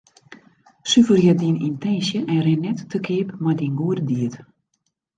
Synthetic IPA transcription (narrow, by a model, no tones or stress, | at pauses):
syfərjɛdinintʰɛnsjəʔɛrɛnːɛtːəkʰɪːpmajdinɡuərdiət